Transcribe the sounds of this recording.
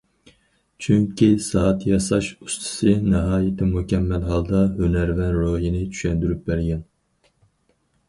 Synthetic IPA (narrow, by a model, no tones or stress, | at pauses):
t͡ʃʰyŋkʲisɑːɑt̪jɑsɑʃust̪ʰɨ̥sɨnɨɦɑːjɪt̪ʰɪmukʲʰɛmːælɦɑlˠd̪ɑɦønæɾvɛnɾojinɪt͡ʃʰy̥ʃɛnd̪yɾyp̚bæɾɡʲɛn